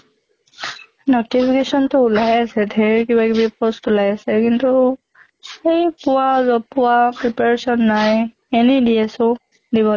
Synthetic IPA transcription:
notipʰikesɔntʊulajasɛdʱɛɹkibakibipɔstulajasɛkintu | ejpʊwazɔpʊapɹipaɹesɔnːaj | enidiɛsʊ | diβɔ

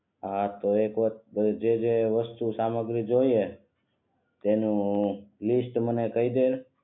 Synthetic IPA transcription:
ɦat̪oekʋəəd͡ʒed͡ʒeʋəst̪usaməɡɾid͡ʒoie | t̪enũlisʈmənekəid̪el

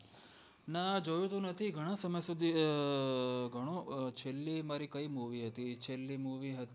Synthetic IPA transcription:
nad͡ʒojũt̪ũnət̪ʰiɡʱəɽ̃ãsəməjsud̪ʱi | ɡʱəɽ̃ot͡ʃʰelːimaɾikəimuʋiɦət̪it͡ʃʰelːimuʋiɦət̪i

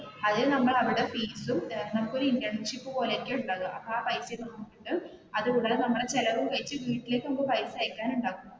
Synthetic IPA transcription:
ɐðɨnɐmːɐɭɐʋiɽe̞fiːsumt̪eɾnːɐpːoːɾind̪ɐɳʂipːɨpo̞ːleːkʲːeuɳɖaːɣuʔɐpːoaːpɐjsenɐmɐːukːiʈːɨ | ɐðɨʋuɽɐɭenɐmːɐɽet͡ɕelɐʋumkɐɻit͡ɕːɨʋiːʈːile̞ːkːɨombɐpɐjsɐjɐkʲːaːnuɳɖaːɣunːu

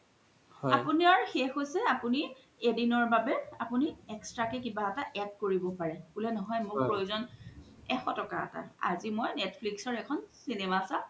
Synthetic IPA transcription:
hɔapuniaɹuxexojsɛapuni | edinɔɹbabɛapuniɛkstɹakɛkibaɛtaʔɛd̚koɹibɔpaɹɛkulɛnɔɦɔjmʊɹppɹojuzɔn | ɛxɔtɔkaɛ̰ta̰a̰zimojnɛtʰpʰliksɔɹɛkʰɔnsinemasã

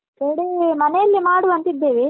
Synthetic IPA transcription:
keɽemɐnɛjɐlːimaːɽuɐnt̪id̪ːeːʋe

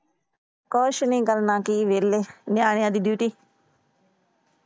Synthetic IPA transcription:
koːʃnĩːkəlnãːkiːʋeːleːnɪjaːɽ̃ɪjãːd̪iːd̪juːʈiː

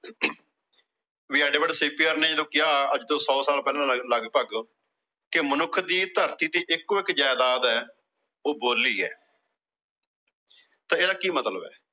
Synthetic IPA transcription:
ʋɪaːɖeːbəɖseːpiːəɾneːd͡ʒəd̪õːkɪaːəd͡ʒd̪õːsɔːsaːlpɛːlãːləɡpəɡ | kɪmənʊkʰːd̪iːt̪əɾt̪iːt̪iːʔɪkːoːɪkd͡ʒaːjd̪aːd̪ɛː | oːboːlːiːɛ̰ː | t̪ãːeːd̪aːkiːmət̪ləbɛ̰ː

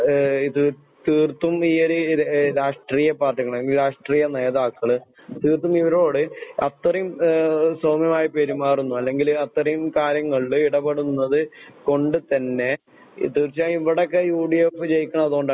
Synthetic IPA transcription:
iðɨ | t̪iːrt̪ːumiːoɾeɾaːʂʈriːjɐpaːrʈːiŋɐɭɐlŋɡilɾaːʂʈriːjɐne̞ːðaːkːɐɭɨ | t̪iːrt̪umiʋɐɾo̞ːɽɨɐt̪rɐjumsoːmjɐmaːjipeɾumaːrunːuɐlːe̞ŋɡilɐt̪rɐjumkaːɾjɐŋːɐɭiɽɐbɐɽunːɐðɨko̞ɳɖɨt̪ɐnːe̞̰ | t̪iːrt͡ɕaːiʋiɽekːejuːɽiefɨt͡ɕe̞jikʲːuɳɐɐðoːɳɖa

